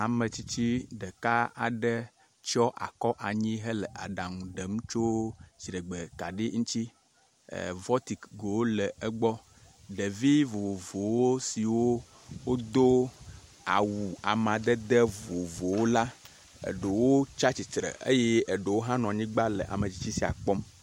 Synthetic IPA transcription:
a˨mə˨t͡ɕi˦t͡ɕi˦ɖə˨ka˦a˨ɖə˦ | t͡ʃɔ˦ʔa̰˨kɔ˦ʔa˨ɲĩ˦ɦə˦lə˨ʔa˨ɖa˨ŋũ˨ɖə˨mu˦t͡ʃo˦d͡ʑi˨ɾə˨ɡ͡bə˨ka˨ɖi˦ŋũ˦t͡ɕḭ˦˨ | vɔ˦t̪i˨kɡo˨wo˦lə˨ʔə˦ɡ͡bɔ˦ | ɖə˨vi˦vo˨o˨vo˨wo˦si˨wo˦ | wo˦d̪o˦ | a̰˨wu˨a˨mã˨d̪ə˦d̪ə˦vo˨vo˨wo˦la˦ | ə̰˨ɖə˨wo˦t͡ʃa˦t͡ɕi˨t̪ɾə̰˨ʔḛ˦jɛ˦ə˨ɖə˨wo˦ɦã˦nɔ̃˨a˨ɲĩ˦ɡ͡ba˦lə̰˨ʔa̰˨mə˨d͡ʑi˦t͡ɕi˦si˦˨a̰˨k͡pɔ˦m

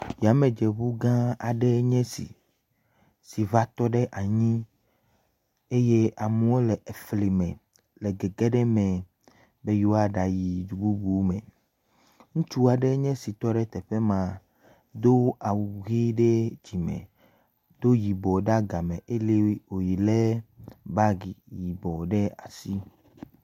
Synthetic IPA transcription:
ja˨mẽ˨d͡ʒe˨βu˦ɡã˦a˨ɖe˦ɲɛ̃˦sḭ˨ | si˨va˦t̪ɔ˦ɖe˦ʔa˨ɲĩ˦ | e˦je˦a˨mɛ̃˨wo˦lɛ˨ʔe˨fli˨mɛ̃˨ | lɛ˨ɡe˨ɡe˦ɖɛ˦mɛ̃˨ | be˦ju˦a˦ɖa˨ji˨d͡ʒu˨bu˦bu˦mɛ̃˨ | ŋũ˦t͡ʃu˦a˨ɖɛ˦ɲɛ̃˦si˨t̪ɔ˦ɖɛ˦t̪ɛ˨ɸɛ˦mã˨ | d̪o˦a˨wu˨ɣe˦ɖe˦d͡ʑi˨mɛ̰̃˨ | d̪̥o˦ji˨bɔ˨ɖa˦ɡa˨mɛ̃˨ʔe˦le˦wo˨ji˨le˦ba˦ɡi˨ji˨bɔ˨ɖɛ˦a˨si˦

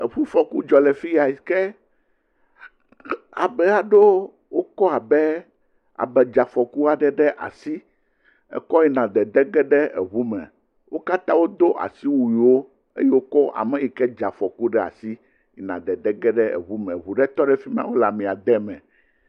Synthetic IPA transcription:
e˨ɸu˦fɔ˨ku˦d͡ʒɔ˨lɛ˨fi˦ja˨i˨kɛ˦ | a̰˨bɛ˨a˨ɖo˦ | wo˦kɔ˦a˨bɛ˦ | a̰˨bɛ˨d͡ʒa˨fɔ˨ku˦a˨ɖɛ˦˨ɖɛ˦ʔa̰˨si˦ | ɛ̰˦kɔ˦ji˦nã˨d̪ɛ˨d̪ɛ˦ɡɛ˦ɖɛ˦ɛ̰˨βu˦mɛ̰̃˨ | wo˦ka˦t̪ã˦wo˦d̪o˦ʔa̰˨si˦wu˨i˨wo˦ | ḛ˦je˦wo˦kɔ˦ʔa̰˨mɛ̃˦ji˨kɛ˦d͡ʒa˨fɔ˨ku˦ɖɛ˦a̰˨si˦ | ḭ˨nã̰˨d̪ɛ˨d̪ɛ˦ɡɛ˦ɖɛ˦ɛ̰˨βu˦mɛ̰̃˨βu˨ɖɛ˦t̪ɔ˦ɖɛ˦fi˦m˦ã̰˦wo˦la˨mĩ˨a˨d̪ɛ˦mɛ̰̃˨

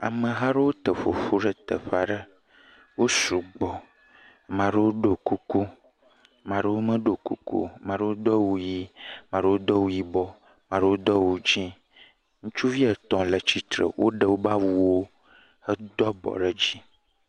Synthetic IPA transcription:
a̰˨mə̃˨ɦa˦ɖə˦wo˦t̪ə˨fo̰˨fu˦ɖə˨t̪ə̰˨ɸa˨ɖə˦ | wo˦su˨ɡ͡bɔ˨ | mã˨ɖə˦wo˦ɖo˨ku˦ku˦ | mã˨ɖə˦wo˦mə˦ɖo˨kṵ˦kṵ˦˨mã˨ɖə˦wo˦d̪ɔ˦wu˨ji˦mã˨ɖə˦wo˦d̪ɔ˦wu˦ji˦bɔ˨ | mã˨ɖə˦wo˦d̪ɔ˦wo˨d͡ʒi˦ | ŋũ˦t͡ʃu˦vi˦ə˨t̪ɔ̃˨lə˨t͡ɕi˦t̪ɾə̰˨wʔo̰˦ɖə˨wo˦ba˦wu˦wo˦ | hə˦d̪ɔ˦bɔ̰˨ɖə˦d͡ʑi˦

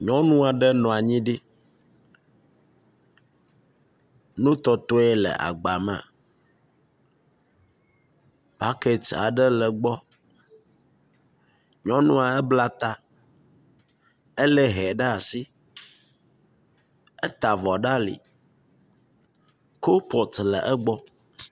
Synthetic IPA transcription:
ɲɔ̃˦nũ˦a˨ɖɛ˦nɔ̃˨a˨ɲĩ˦ɖi˦ | nũ˦t̪ɔ˦t̪o˦ɛ˦lɛ̰˨ʔa̰˨ɡ͡ba˨mɛ˨a̰˨ | ba˦ke˦t͡ʃa̰˨ɖɛ˦lɛ˨ɡ͡bɔ˦ | ɲɔ̃˦nũ˦a˨ɛ˦bla˦t̪a˦ | ɛ˦lɛ˦ɦɛ˨ɖɛ˦a˨si˦ | ɛ˦t̪a˨vɔ˨ɖa˦lḭ˨ | ko˦wo˦pɔ˨t̪lə̰˨ʔɛ˦ɡ͡bɔ˦

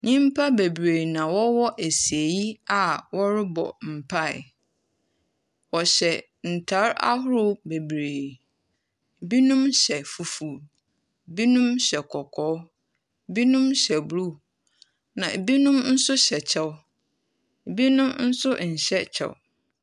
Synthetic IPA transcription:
ɲĩ˦m˦pʰa˦be˨bɾeː˨nã˨wɔ˦wɔ˦ʔe˨si˨e˨ji˦a˨wɔ˦ɾɪ˦bɔ̰˨m̩˨pʰa˦˨ɪ̰˨ | wɔ˨ɕɛ˨ | n̩˨tʰa˨˦ɾa̰˦hʊ˦ɾʊ˦be˨bɾeː˨ | bi˦nũ˦mɕɛ˨fu˨fu˨ | bi˦nũ˦mɕɛ˨kʰɔ˨kʰɔ˦˨ | bi˦nũ˦mɕɛ˨blu˦˨ | nã˨bi˦nũ˦mn̩˦sʊ˦ɕɛ˨t͡ɕʰɛ˦w | bi˦nʊ̃˦mn̩˦sʊ˦ɲ̩˨ɕɛ˦t͡ɕʰɛ̰˨w

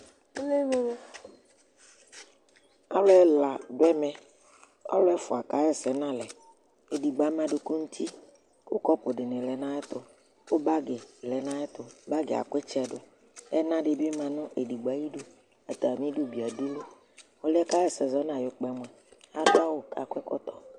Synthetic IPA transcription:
e˦le˦me˦me˦ | a˦lo˦ɛ˦la˨ɖo˦ɛ˦mɛ˨ | a̰˦lɛ˦fo˨a˨ka˨˦ɛ˨sɛ˨nã˦lɛ˨ | e˨di˨ɡ͡ba˨˦m˦ã˨˦ɖo˨ku˦ŋu˦t̪ʰi˦ | wo˦kɔ˦pʊ˨ɖɪ˨nɪ̃˨lɛ˨nã˦ɛ˦t̪ʊ˨ | ko˦ba˦ɡe˨lɛ˨nã˦ɛ˦t̪ʊ˨˦ba˦ɡe˨a̰˨ke˦t͡ʃɛ˨ɖʊ˨ | ɛ˦nã˦ɖe˨be˦mã˨nʊ̃˦ʔe˨di˨ɡ͡ba˨ji˦ɖo˦ | a˨t̪a˨mĩ˦ɖo˦bi˨a˨di˦lo˦ | wo˦lɛ˦ka˦jɛ˦sɛ˨zɔ˦nã˨jo˨k͡pɛ˨mwɛ˨ | a˦da˦wo˨ka̰˨kʷɛ˦kɔ̰˦t̪ɔ˦

